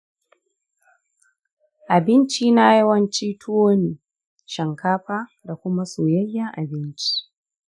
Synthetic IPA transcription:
ʔa˨bɪ˦nt͡ʃiː˦na˦jɐ˦wɐ˦nt͡ʃiː˦tʰʊ˦woː˦niː˨ | ʃɐ˨ŋkaː˦ɸaː˦da˨kʷʊ˦ma˦soː˨jɐ˦jːa˦ʔa˨bɪ˦nt͡ʃi̥˦

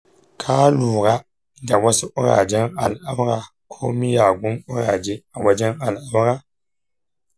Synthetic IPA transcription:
kʰaː˦luː˨ɣa˦ | da˨wɔ˦sɪ˦ʔʊ˦ɾa̰˨d͡ʒɛ˦ŋa˨la˦bɣa˨ | kʰo˦mi˦jaː˨ɡʊ˦nʊ˦ɾa̰˨d͡ʒɪ˦a˨wa˦d͡ʒɛ˦ŋa˨la˦ba˦ɣa˦

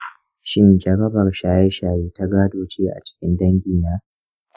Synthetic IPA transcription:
ʃɪ˦nd͡ʒɐ˨ɾɐ˦bɐ˨rʃaː˨jɛ˦ʃaː˨jeː˦ta˦ɡaː˦doː˦˨t͡ʃeː˦ʔa̰˨t͡ʃɪ̥˦kʲɪ˦ndɐ˦ŋɡʲiː˨naː˦

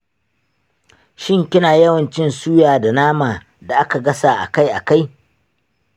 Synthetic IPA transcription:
ʃɪ˦ŋkʲɪ˦naː˨jɐ˦wɐ˨nt͡ʃɪ˦nsuː˦jaː˨da˨naː˦maː˨ | da˨ʔa˦ka˨ɡɐ˦saː˨ʔa̰˨ka˦jʔa˨ka˦j

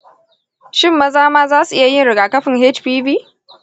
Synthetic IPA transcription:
ʃɪ˦mːɐ˦zaː˦maː˦zaː˦su˨ʔɪ˦ja˨jɪ˦nɽɪ˨ɡaː˨kɐ˦ɸɪ˨ŋɦɛ˦t͡ʃɸiː˦biː˦

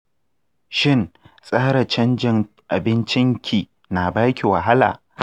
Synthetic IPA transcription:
ʃɪ˦˨nsʼaː˦ɽɐ˨t͡ʃɐ˦nd͡ʒɪ˨ŋ | ʔa˨bɪ˦nt͡ʃɪ˦ŋkʲʰiː˨ | na˨baː˦kʲi˨wa˨ɦa˦la̰ː˨

